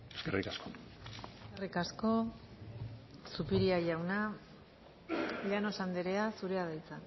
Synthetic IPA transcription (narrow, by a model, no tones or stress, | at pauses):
eskerikaskoeskerikasko̞ | supiɾiaʝawna | lano̞sand̪eɾeasuɾe̞aðajt͡sa